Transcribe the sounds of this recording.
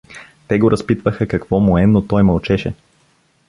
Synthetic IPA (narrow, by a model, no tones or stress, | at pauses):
t̪ɛɡoɾʔɐspit̪vəxəkɐkv̥ɔmʊɛnot̪ɔjmɐlˠt͡ʃɛʃɛ̰